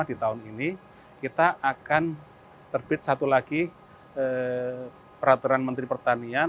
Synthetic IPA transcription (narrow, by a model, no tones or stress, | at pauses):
adit̪aʊnini | kit̪aʔakan | t̪ərb̥ɪt̪̚sat̪ulaɡi | ə | pəɾat̪uɾanmənt̪ɾipərt̪ania